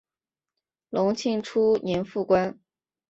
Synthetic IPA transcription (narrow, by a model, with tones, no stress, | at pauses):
lʊ˧˥ŋt͡ɕʰi˥˩ŋʈ͡ʂʰu˥njɛ˧˥nfu˥˩kwa˥n